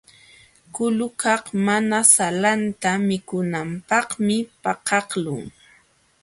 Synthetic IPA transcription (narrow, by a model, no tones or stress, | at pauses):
kʊlʊkɑχmanasalant̪amɪkʊnampɑχmɪpɑqɑχlʊŋ